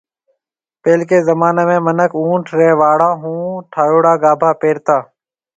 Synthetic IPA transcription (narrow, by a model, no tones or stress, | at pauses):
peːlkeːzəmaːneːmẽːmənəkũːʈʰɾeːʋaːɽãːɦũːʈʰaːjoːɽaːɡaːbʱaːpeːɾt̪aː